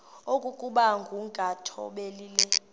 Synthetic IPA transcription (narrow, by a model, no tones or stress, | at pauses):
okʼukʼuɓaŋɡʱuŋɡʱatʰɔ̰ɓeliːlɛ